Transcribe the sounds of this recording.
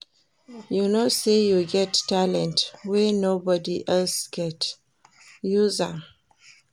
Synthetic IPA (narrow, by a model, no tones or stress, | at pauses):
junosejuɡɛtːalɛ̃ntwɛnobɔdiʔɛlsɡɛt | juza